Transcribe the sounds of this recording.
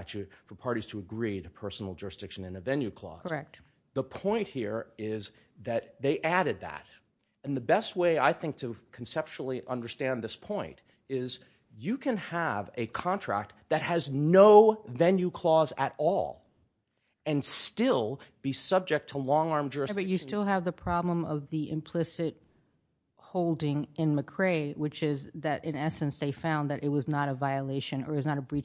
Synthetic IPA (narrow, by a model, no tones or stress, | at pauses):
t͡ʃʉt̚fə˞pʰɑɹɾiz̥tʰəɨɡɹiɾɨpʰɜ˞sn̩l̩ˠd͡ʒʊɹɨsd̥ɪkʃɨ̃nɨ̃nɨvɛ̃njʉkʰl̥ɔ̰zɛk̚t | ðəpʰɔ̃ɪ̃nʔ̚hiɹɪz | ðɨt̪̚ðeɪʔæɾɨd̪̚ðæ̰ɾ̚ | ɨ̃nðɨbɛst̚weɪaɪθɪ̃ŋk̚tʰɨkʰn̩sɛp̚ʃl̩ˠiʔʌ̃ndə˞stæ̃nðɪspʰɔ̃ɪ̃nt | ɪz | jɨkʰɨ̃nəvɨkʰɑ̃ntʰɹ̥æ̰k̚t̪̚ðɨt̚hɨznoʊvɛ̃njʉkʰl̥ɔzɨɾɔ̰lˠ | ɨ̃nstɪlˠb̥isʌb̚d͡ʒɨk̚tʰəlɔ̃ŋɑɹmd͡ʒəɹɨbʌt͡ʃɨstɪlˠəvðɨpʰɹ̥ɑblə̃mʌvðiʔɪ̰̃mpʰl̥ɪsɨt̚ | hoʊlˠdɪ̃ŋɪ̃nmɨkʰɹ̥eɪwɨt͡ʃɪzðɨɾʔɨ̃nɛsɨ̃nsðeɪfãʊ̃nðɨɾʔɨt̚wʌznəɾəvaɪəleɪʃɨ̃nə̰˞wznəɾəbɹi